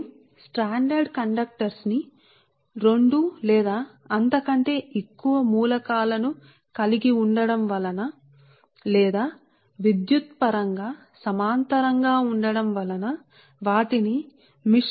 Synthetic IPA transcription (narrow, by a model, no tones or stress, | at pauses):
sʈaːɳɖɐɾɖkɐɳɖɐk̚ʈɐɾsni | ɾe̞ɳɖulɛːd̪aː | ɐnt̪ɐkɐɳʈe̞ːʔekːuʋɐmuːlɐkaːlɐnu | kɐliɡiuɳɖɐɽɐmʋɐlɐnɐ | lɛːd̪aː | ʋid̪jut̪̚pɐɾɐŋɡaː | sɐmaːnt̪ɐɾɐŋɡaːuɳɖɐɽɐmʋɐlɐnɐ | ʋaːʈini | mi